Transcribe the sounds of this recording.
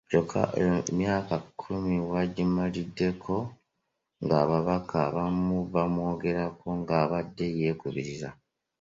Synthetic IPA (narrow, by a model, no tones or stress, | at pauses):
ɟokʰa̰emjaːkakʰːumiwaɟimalidːe̞kʰo̞ | ŋɡaːβaβakʰaβamuβamwo̞ːɡe̞ɾako̞ŋɡaːβadːe̞je̞ːkuβiɾiɾa